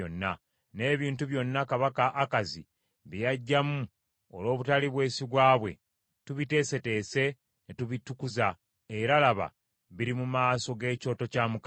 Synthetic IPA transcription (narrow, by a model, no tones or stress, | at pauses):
onːa̰ | ne̞ːβiːntuβjo̞nːakaβakaʔːkazḭ | βijaɟːamu | o̰lo̞ːβutaliβwe̞ːsiβwaːβwe̞̰ | tuβite̞se̞te̞ːse̞ | netuβitukuza | e̞ɾalaβa̰ | βiɾimumaːso̞ɡe̞ːco̞ːto̞caːmuka